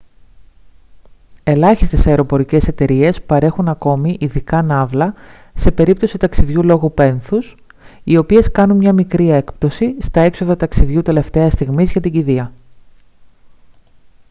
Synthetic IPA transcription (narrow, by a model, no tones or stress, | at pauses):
e̞lɐçist̪e̞sɐeɾo̞po̞ɾice̞se̞t̪e̞ɾie̞spɐɾe̞xunɐko̞miʔiðikɐnɐvlɐ | se̞pe̞ɾip̚t̪o̞sit̪ɐksiðʝulo̞ɣope̞nθus | io̞pie̞skɐnunmɲɐmikɾie̞kpt̪o̞sist̪ɐe̞kso̞ðɐt̪ɐksiðʝut̪e̞le̞ft̪e̞ɐst̪iɣmizʝɐt̪iɲɟiðiɐ